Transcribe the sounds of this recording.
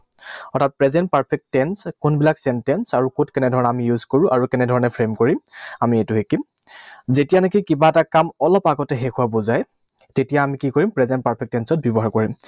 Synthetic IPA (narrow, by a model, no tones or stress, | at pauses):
ɔtʰat̚pɹɛzɛnt̚paɹpʰɛk̚ttɛnskʊnbilaksɛntɛnsaɹukutkɛnɛdʱɔɹɔnɛamijuzkoɹʊ̃ʔaɹukɛnɛdʱɔɹɔnɛpʰɹemkoɹimamietʊɦekim | zetijanek̬ikibaɛtakamɔlɔpaɡɔtɛɦekuwabozaj | tetijaːmikikoɹimpɹɛzɛnt̚paɹpʰɛk̚tɛnsɔt̚bjɔbɔɦaɹkoɹim